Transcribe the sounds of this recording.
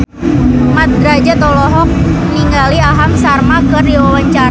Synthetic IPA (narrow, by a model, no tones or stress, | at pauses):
mat̪̚ɡɾad͡ʒat̪ɔlɔɦɔk̚məniŋɡaliaɦamsarmakəriwawaɲt͡ʃaɾa